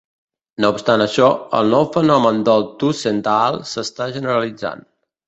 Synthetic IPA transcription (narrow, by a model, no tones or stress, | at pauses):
noupst̪anəʃɔə̰lˠnɔwfənɔmənd̪əlˠt̪usent̪alˠsəst̪aʒənəɾəlid͡za̰n